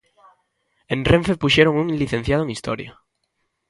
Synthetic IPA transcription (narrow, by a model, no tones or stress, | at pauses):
ẽnrẽɱfepuʃeɾoŋuŋliθenθjað̞oeŋist̪o̰ɾja̰